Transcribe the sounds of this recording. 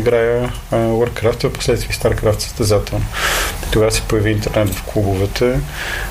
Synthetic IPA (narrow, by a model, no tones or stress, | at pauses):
iɡɾajə | wəɾkɾaft̪vɐpo̥slɛt̪t̪viːst̪aɾkɾaft̪sə̥st̪ɐzat̪ɛlˠnoit̪oɡasɛ̥pojəviːnt̪ɛɾnɛt̪v̥klˠubovɛt̪ʰə